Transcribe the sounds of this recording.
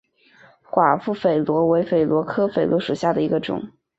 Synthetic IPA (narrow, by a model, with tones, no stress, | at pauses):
xwa˨˩fu˥˩fe˨˩ɪlwɔ˧˥we˧˥ɪfe˨˩ɪlwɔ˧˥kʰɤ˥fe˨˩ɪlwɔ˧˥ʂu˨˩ɕja˥˩d̪ə˩i˧˥ɡə˧ʈ͡ʂʊ̰˨˩˦ŋ